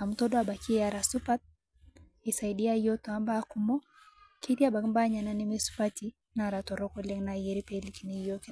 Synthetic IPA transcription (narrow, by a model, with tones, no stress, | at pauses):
a˨mutɔ˦dɔa˨ba˨ki˦ɛa˨ɾa˨supat̪̚ | isa˨iɗi˦a˦jɔ˦tɔ˨amba˦kumɔ˦ | ki˦t̪i˦a˦ba˨kmba˦ɲa˨na˦nɛ˦mesu̥pati | naɾa˨tɔ˨ɾɔkɔ˦lɛŋnajɛ˦ɾipeli˨kini˨jok